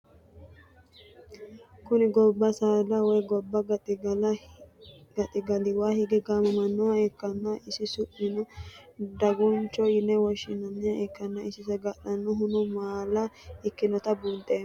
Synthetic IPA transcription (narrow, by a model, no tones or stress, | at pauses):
kʊnɪɡɔbːɐsaːlɐwɔjɡɔbːɐɡɐt̪ʼɪɡɐ | ɡ̥ɐt̪ʼɪɡɐlɪwaːhɪɡɛɡaːmɐmɐnːɔwɐɛkːɐnːɐʔɪsɪsʊʔɪnɔd̪ɐɡʊnt͡ʃːɔɪnːɛwɔʃɪnːɐnːɪjɐʔɛkːɐnːɐɪsɪsɐɡɐᶑɐnːʊɦʊnɔmaːlɐɪkːɪnɔt̪ɐbunt̪ʼeː